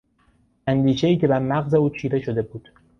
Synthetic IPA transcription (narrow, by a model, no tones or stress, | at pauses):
ʔænd̪iːʃe̞iːce̞bæɾmæɣze̞uːt͡ʃʰiːɾe̞ʃo̞d̪e̞buːd̪̥